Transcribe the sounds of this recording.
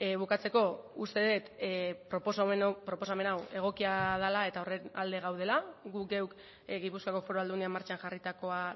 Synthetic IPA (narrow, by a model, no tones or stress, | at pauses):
βukat͡se̞ko̞ust̪e̞ðe̞t̪pɾoposaenpɾo̞po̞same̞nawe̞ɣ̞o̞kiað̞alae̞t̪ao̞rena̰ld̪e̞ɣ̞awð̞e̞laɡuɡe̞wk | ɣipuskako̞fo̞ɾoald̪uniamaɾt͡ʃaŋʝarit̪ako̞a